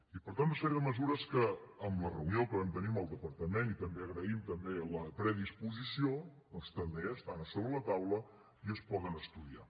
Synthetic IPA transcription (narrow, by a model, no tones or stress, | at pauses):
ipəɾt̪ant̪unəsɛɾiəðəməzuɾəskəːmlərəuniokəβant̪əniməlˠd̪əpəɾt̪əmenit̪əmbeəɣɾəimt̪əmbeləpɾəðispuzisiodɔnst̪əmbeəst̪anəsoβɾələt̪awlə | iəspɔɣənəst̪uðia̰